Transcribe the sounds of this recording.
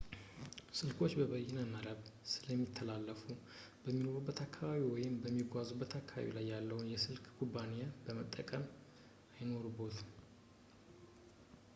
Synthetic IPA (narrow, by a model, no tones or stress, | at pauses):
sɨlkʰo̞t͡ʃːbəβəjɛnəməɾəβsɨləmːit̪ʰːəlalːəfu | b̥əmːino̞ɾubːət̪ʰakʰːaβaβiwɔjɪmbəmːiɡʷazubːət̪ʰakʰːaβa̰βḭlajːalːəwnjɛsɨlkɡubːanijabəmət̪ʼːəkʼəm | ajno̞ɾubo̞t̪